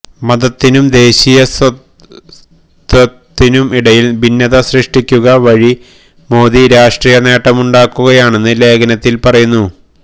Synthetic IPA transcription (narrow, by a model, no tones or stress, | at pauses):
mɐðɐt̪ːinumd̪e̞ːɕijɐsɐ | t̪ɐtt̪ːinumiɽɐjilbʱinːɐðɐɕriʂʈikʲːuɣɐʋɐɻi | mo̞ːd̪iɾaːʂʈriːjɐne̞ːʈːɐmuɳɖaːkːuɣɐjaːɳe̞nːɨle̞ːɡɐnɐt̪ːilpɐrɐjunːu